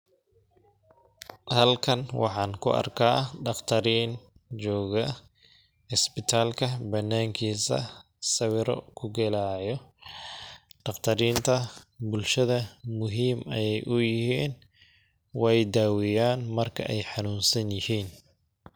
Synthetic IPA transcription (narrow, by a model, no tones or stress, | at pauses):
hɐlkʰɐnwɑ̰ħɑːnkʰʊɐ̰rkʰaːɖɑqt̪ʰɐɾiːn | t͡ʃɔːɣɐ | ɪsbɪt̪ʰaːlkʰɐbɐnːaːŋkʰiːsɐ̰ | sɐwɪɾɔ̰kʰʊɡɛlaːjɔ | ɖɑqt̪ʰɐɾiːnt̪ʰɐbʊlʃɐðɐmʊɦiːmɐjɛjʔʊjɪhiːn | wɛjd̪aːwɪjaːnmɐrkʰɐʔɛjħɑnuːnsɐnjɪhiːn